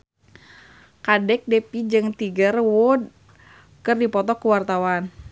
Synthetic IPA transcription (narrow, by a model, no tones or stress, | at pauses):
kadɛk̚dɛpid͡ʒɨŋt̪iɡərwɔd̚ | kɨrdipɔt̪ɔkuwart̪awan